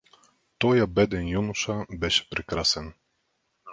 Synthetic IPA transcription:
t̪ɔjabɛd̪ɛnʲjunuʂabɛɕpɾɛkɾasɛn

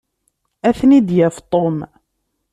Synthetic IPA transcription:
æθnid̪jæft̪ˤom

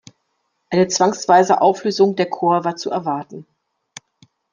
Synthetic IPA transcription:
ʔaɪnət͡sv̥aŋsv̥aɪzə̰ʔaʊfløːzʊŋdeːɐkʰoːɐvaːɐt͡suʔɛɐvaɐtn̩

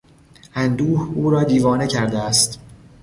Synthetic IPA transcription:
ʔænd̪uːhuːɾɒːd̪iːvɒːne̞cʰæɾd̪eæst̪

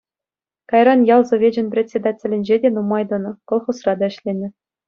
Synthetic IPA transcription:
kɑjrɑnjɑlˠzŏvʲed͡ʑɘ̆nʲprʲet͡sʲːed̪ɑtʲːɘ̆lʲɘ̆nʲd͡ʑedʲenumɑjd̪ɤ̆nɤ̆kɤ̆lˠχusrɑd̪ɑɘ̆ɕlʲenʲɘ̆

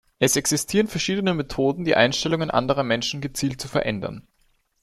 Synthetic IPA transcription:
ʔɛsɛksɪstʰiːʁənfɛɐʃiːdənəmetʰoːdn̩diːʔa̰ɪnʃtɛlʊŋənʔa̰ndəʁ̞ɐmɛnʃn̩ɡət͡siːlt̚t͡sufɛɐʔɛndɐ̰n

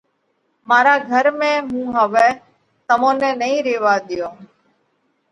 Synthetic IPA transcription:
maːɾaːɡʱəɾmẽːɦũːɦəʋɛː | t̪əmõːnɛ̃ːnəĩːɾeːʋaːɗ̪ɪjoː

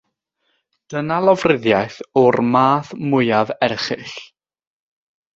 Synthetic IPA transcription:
d̥ənalˠɔvrɪðjajθɔrmaːθmʊjavɛrχɪ̰ɬ

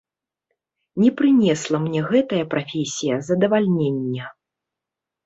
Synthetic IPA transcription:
nʲɛpɾɨnʲɛslˠɐmnʲɛɣɛt̪ɐjɐpɾafʲesʲijɐzɐd̪ɐvalʲnʲenʲːɐ

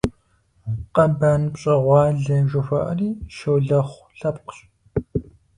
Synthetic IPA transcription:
qɐbaːnpɕʼɐʁʷɑːɮɐʒʊfʷɐ̰ʔɐ̰riːʃowɮɐχʷ | ɬɐpqʊ̥ɕʼ

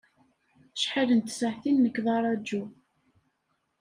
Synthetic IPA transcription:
ʃħələnt̪səʕθinːəkːðˤɑɾˤɑd͡ʒːu

